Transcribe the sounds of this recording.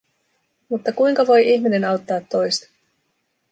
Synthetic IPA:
mut̪ːɑkujŋkɑʋo̞jʔiçmine̞nɑwt̪ːɑːt̪ːo̞jst̪ɑ̥

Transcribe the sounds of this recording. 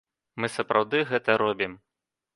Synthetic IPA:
mɨsɐpɾʔawd̪ɨɣɛt̪ɐɾɔbʲim

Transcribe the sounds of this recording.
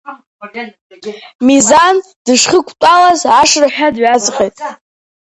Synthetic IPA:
mizan | d̥ɨʂχəkʷʰʼtʷʼalazaʂraħᶣadɥazχʲejtʼ

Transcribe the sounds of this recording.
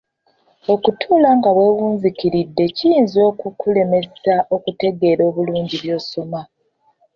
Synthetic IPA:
o̞kutʰuːlaŋɡaβwe̞ːwuːɲzikiɾidːe̞cijiːnzo̞ːkukule̞me̞ssaʔo̞kute̞ɡe̞ːɾo̞ːβuluːɲɟiβjo̞ːsoma

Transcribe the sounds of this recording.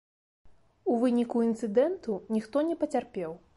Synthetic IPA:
uvɨnʲikuint̪sɨd̪ɛnt̪unʲixt̪ɔnʲɛpɐt͡sʲarpʲɛw

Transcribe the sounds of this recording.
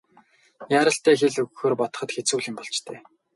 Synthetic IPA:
jaːɾə̆ɬt̪æːxeɮɵɣxoːrpɔt̪ɞ̥̆χə̆t̪xet͡suːɮɪ̆mpɔɮt͡ɕt̪ʰæː

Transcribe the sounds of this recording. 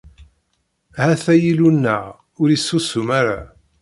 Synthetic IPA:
hæθæjilunːəʁ | ʊɾisːusumaɾa

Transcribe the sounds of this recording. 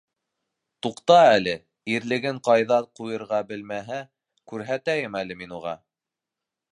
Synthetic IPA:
t̪uqt̪ɑælɘ | iɾlɘ̆ɡɘɴqɑjðɑqujɤ̆ɾʁɑbɘ̆lmæɦæ | kʉɾɦæt̪æjɘmæl̪ɘminuʁɑ̰

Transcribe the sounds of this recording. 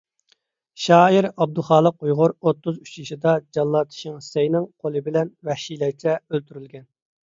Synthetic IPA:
ʃɑːiɾɑb̚d̪ulˠχɑːlˠəqujʁʊɾot̪ːuzyt͡ʃjiʃid̪ɑd͡ʒɑlˠːɑt̪ʰɨ̥ʃɪŋsejnɪŋqʰolˠɨbɪlɛnwɛhʃilɛkt͡ʃʰɛølt̪yɾylɡʲɛn

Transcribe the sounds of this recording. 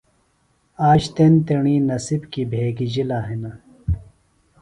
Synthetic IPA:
aːɕt̪ent̪eɳiːnɐsibkibʱeːɡid͡ʑilaːɦinɐ

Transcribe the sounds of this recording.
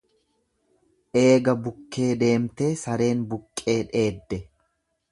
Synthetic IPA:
ʔe̞ːɡɐbʊkːe̞ːd̪e̞ːmt̪e̞ːsɐɾe̞ːnbʊkʼːe̞ːᶑe̞ːd̪ːɛ

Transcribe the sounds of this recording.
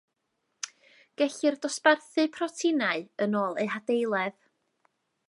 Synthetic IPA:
ɡ̥ɛɬɨrdɔsparθɨpʰrɔtʰɪnaɨənoːlˠḛɨɦadejlˠɛð

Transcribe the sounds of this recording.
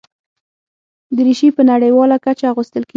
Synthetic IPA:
d̪əɾiʃipənaɽəjwɑlakat͡ʃaɣust̪əlke

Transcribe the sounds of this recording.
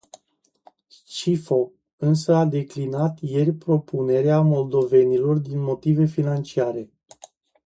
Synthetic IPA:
st͡ʃifo̞ | ɨnsəad̪e̞klinat̪je̞rʲpɾo̞pune̞ɾeamo̞ld̪o̞ve̞nilo̞rd̪inmo̞t̪ive̞finant͡ʃiaɾe̞

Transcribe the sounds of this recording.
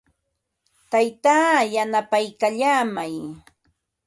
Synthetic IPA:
t̪ajt̪aːjanapajkaʎaːmaj

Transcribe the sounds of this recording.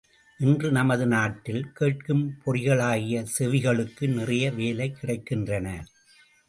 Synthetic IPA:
ʔɪndrɯnɐmɐðɯnaːʈːɪlkeːʈ̚kɯmpʰɔɾɪɣɐɭaːɣɪjɐsɛʋɪɣɐɭɯkːɯnɪrɐjɐʋeːlɐɪkːɪɽɐɪkːɪndrɐnɐ

